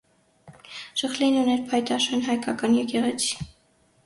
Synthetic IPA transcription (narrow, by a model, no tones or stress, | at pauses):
ʃəχlinunɛɾpʰɑjt̪ɑʃɛnɦɑjkɑkɑnjɛkɛʁɛt͡sʰi̥